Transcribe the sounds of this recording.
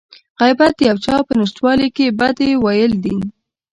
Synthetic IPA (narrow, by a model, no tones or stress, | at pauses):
ɣajbat̪jawt͡ʃɑpənɪʃt̪wɑlikebad̪ewajəld̪i